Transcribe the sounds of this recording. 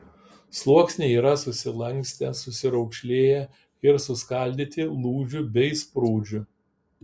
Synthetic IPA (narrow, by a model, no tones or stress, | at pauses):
slˠuɔksʲnʲeiːɾɐsʊsʲɪlˠɐŋʲksʲt̪ʲɛsʊsʲɪɾɒʊkʃʲlʲeːjɛ | ɪɾsʊskɐˑlʲd̪ʲit̪ʲɪlˠuːd͡ʒʲʊbʲɛɪspɾuːd͡ʒʲʊ